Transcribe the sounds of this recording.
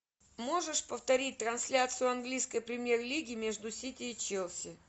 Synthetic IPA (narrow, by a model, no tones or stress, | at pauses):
mo̞ʐɨʂpəft̪ɐɾʲit̚ʲt̪ɾɐnsʲlʲat̪sɨjʊɐnɡlʲijskəjpɾʲɪmʲjerlʲiɡʲɪmʲeʐd̪ʊsʲitʲɪːt͡ɕelˠsʲɪ